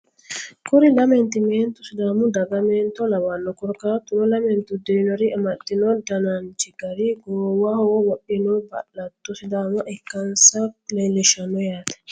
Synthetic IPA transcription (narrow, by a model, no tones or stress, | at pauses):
kuɾilamɛnt̪imɛnt̪usidamudaɡamɛnt̪ɔlawanːɔkɔɾkat̪unɔlamɛnt̪udɛnɔɾiʔɛmadːinɔdanand͡ʒiɡaɾiɡɔwahɔwaɗinɔba̰lːat̪ːusidamuʔakːansaklɛlɛʃanɔjat̪ɛ̥